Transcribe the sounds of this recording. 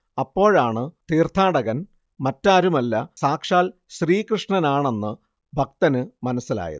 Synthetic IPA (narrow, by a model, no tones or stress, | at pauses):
ɐpːo̞ːɻaːɳɨt̪iːrt̪ʰaːɽɐɣɐn | mɐtːaːɾumɐlːɐsaːkʂaːl | ɕriːkrɨʂɳɐnaːɳe̞nːɨ | bʱɐk̚t̪ɐnɨmɐnɐsːila̰ːjɐ̰ðɨ